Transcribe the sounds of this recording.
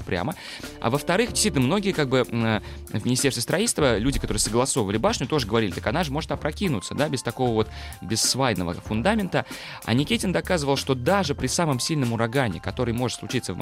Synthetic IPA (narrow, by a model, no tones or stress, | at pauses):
pɾʲa̰mə | a̰vəft̪ɐɾɨxdʲɪsʲitʲnəmno̞ɡʲɪjəkaɡ̚bɨə | vʲmʲɪnʲɪsʲest̪ʲɪst̪ɾɐitʲlst̪vəlʲudʲɪkɐt̪o̞ɾɨəsəɡlˠɐsovəvəlʲɪbaʂnʲʊt̪o̞ʐəɨɡəvɐɾʲilʲɪt̪ə̥kɐnaʐɨmo̞ʐɨt̪ampɾɐkʲinʊ̰t̪səd̪abʲɪst̪ɐko̞vəvo̞t̪bʲɪsːvajnəvə̰fʊnd̪amʲɪnt̪ə | ɐ̰nʲɪkʲitʲɪnd̪ɐkazɨvəlˠʂt̪o̞d̪aʐɨpɾʲɪsamɨmsʲilʲnəmʊɾɐɡanʲɪ̰kɐt̪o̞ɾɨjmo̞ʐɨt̪sˠʊt͡ɕit̪səvm